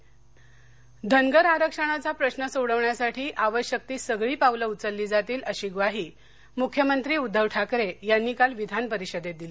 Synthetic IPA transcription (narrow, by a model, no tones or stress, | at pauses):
d̪ʱəŋɡəɾaɾəkʂəɽ̃at͡sapɾəɕnəsoɽəʋɳjasaʈʰiːʔaʋəɕjək̚t̪iːsəɡɭiːpaʋləut͡səlːiːd͡zat̪iːləɕiɡʋaɦiː | mukʰjəmənt̪ɾiːud̪ʱːəʋʈʰakɾejanːiːkalʋid̪ʱanpəɾiɕəd̪ed̪ili